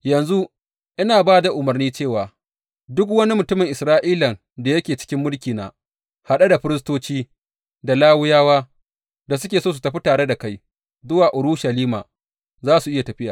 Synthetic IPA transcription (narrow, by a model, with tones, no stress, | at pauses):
jɐ˨nzu˦ | ʔɪ˦naː˨baː˦da˨ʔʊ˨mɐ˨rniː˦t͡ʃeː˦˨waː˨ | dʊ˦kwɐ˦ni˦mʊ˨tʊ˦mɪ˨ŋʔɪ˨sɾaː˦ʔiː˦lɐ˨n | da˨jɐ˦kʲeː˨t͡ʃɪ̥˦kʲɪ˦mːʊ˦lkʲiː˨na̰ː˨ | ha˨ɗa˦da˨ɸɪ˦ɾɪ˦s̬toː˦t͡ʃiː˦ | da˨laː˦wʊ˦jaː˦waː˦ | da˨s̬ʊ˦kʲeː˨soː˦s̬u̥˨tɐ˨ɸi˦taː˨ɽe˦da˨ka˦j | zʊ˦waː˨ʔʊ˨ɾu˦ʃɐ˨liː˦maː˨ | zaː˦su˨ʔɪ˦ja˨tɐ˨ɸɪ˦jaː˨